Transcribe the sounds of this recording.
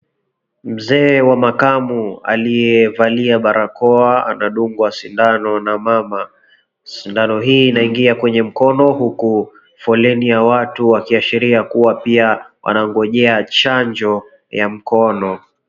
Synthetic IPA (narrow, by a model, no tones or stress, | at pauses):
m̩zɛːwamakamua̰lijɛvaliaɓaɾʔakɔaa̰naɗuŋɡwasindanɔnamama | sindanɔɦiːnaiŋɡiakwɛɲɛm̩kɔnɔhuku | fɔlɛnijawatuwakiaʃiɾiakuwapiawʔa̰naŋɡɔʄɛat͡ʃaɲd͡ʒɔ | jam̩kɔnɔ